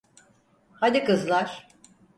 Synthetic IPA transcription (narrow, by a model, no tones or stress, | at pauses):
had̪ʲikɯzlˠaɾ̥